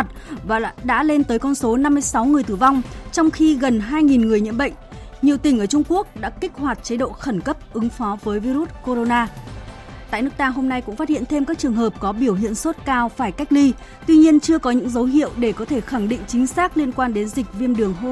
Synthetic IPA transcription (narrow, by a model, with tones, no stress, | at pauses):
t̚vaː˨˩ɗa̰ː˧˥le˧nt̪əː˨˦jkɔ˧nso˨˦na˧mːɨ˧əjsa˨˦wŋɨ˨˩əjt̪ɨː˧˩va˧wŋ͡mt͡ɕɔ˧wŋ͡mxi˧ɣə˨˩nɦaː˧jŋi˨˩nŋɨ˨˩əjɲḭ˧˨ənɓə̰˧˨jŋ̟ | ɲi˨˩əwt̪ï˩ŋ̟ʔəː˧˩t͡ɕʊ˧ŋ͡mku˦˥ək̚ɗa̰ː˧˥kï˦˥k̚hwaː˨˩t̚t͡ɕə˨˦ɗo̰˧˨xə˧˩nkə˦˥p̚ʔɨ˨˦ŋfɔ˨˦vəː˨˦jvi˧ɾu˦˥t̚ko˧ɾo˧naː˧ | t̪a̰ː˧˨jnɨ˦˥kt̪aː˧ɦo˧mna˧jkʊ̰˧˥ŋ͡mfaː˦˥t̚hḭ˧˨ənt̪ʰe˧mkaː˦˥k̚t͡ɕɨ˨˩əŋɦəː˨˩p̚kɔ˨˦ɓi˧˩əwɦḭ˧˨ənso˦˥t̚kaː˧wfaː˧˩jka˦˥jk̟̚li˧ | t̪wi˧ɲi˧ənt͡ɕɨ˧əkɔ˨˦ɲɨ̰˧˥ŋzə˨˦wɦḭ˧˨əwɗe˧˩kɔ˨˦t̪ʰe˧˩xa˧˩ŋɗḭ˧˨ŋ̟t͡ɕï˨˦ŋ̟saː˦˥k̚li˧ənkwaː˧nɗe˨˦nzi˨˩k̟̚vi˧əmɗɨ˨˩əŋɦo˧